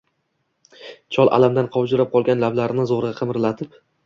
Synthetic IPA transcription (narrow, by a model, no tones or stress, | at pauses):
t͡ʃʰɒlˠʔa̰lamd̪anqʰɒwd͡ʒʊɾap̚qʰɒlˠɡʲanlablaɾɪnɪzoʁɾɡʲaqʰɨmɾlat̪ʰɪp